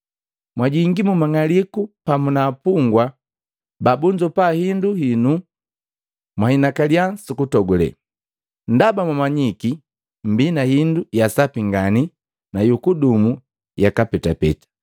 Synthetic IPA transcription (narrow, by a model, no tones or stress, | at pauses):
mwaɟiŋɡimumaŋalikupamunaːpuŋɡwa | babund͡ʒɔpahinduhinu | mwahinakaljasukutɔɡɔlɛ̰ | ndabamwamaɲiki | m̩binahindujasapiŋɡani | najukudumu | jakapɛtapɛtḁ